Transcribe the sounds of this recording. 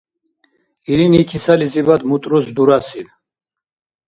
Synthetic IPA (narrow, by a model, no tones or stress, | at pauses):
iɾinikʰisalizibad̪mut̪ʼɾusd̪uɾasin